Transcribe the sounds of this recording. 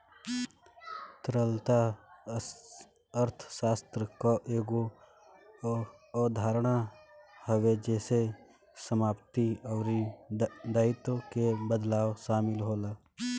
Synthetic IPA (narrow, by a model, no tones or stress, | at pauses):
t̪ɾəlt̪a | əɾt̪ʰʃaːst̪ɾəkaʔeːɡo | ɔːd̪ʱaːɾɽ̃ahəwed͡ʒɛːse | səmaːpt̪iɔːɾi | d̪aːɪt̪õkebəd̪laːwʃaːmɪlɦoːlaː